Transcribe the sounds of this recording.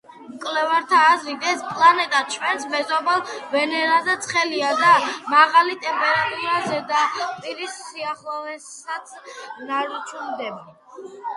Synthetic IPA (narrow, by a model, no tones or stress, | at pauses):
mkʼlɛvaɾt̪ʰaːzɾit̪ʰɛspʼlˠanɛt̪ʼat͡ʃʰwɛnsmɛzɔbalˠvɛnɛɾazɛt̪sʰχɛliad̪amaʁalit̪ʼɛmpʼɛɾat̪ʼuɾazɛd̪apʼiɾisːiaχlˠɔɛsat̪sʰnaɾt͡ʃʰʼund̪ɛba